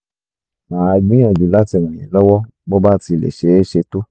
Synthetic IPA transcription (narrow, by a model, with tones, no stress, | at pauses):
mã˨a˧ɡ͡bĩ˦ɛ̃˦˨d͡ʒi˨la˦ti˧˨w̃ã˨j̃ɛ̰̃˨lɔ˦wɔ˦ | bɔ˦ba˦ti˧˨lḛ˨ʃe˨˦e˦ʃe˧to˦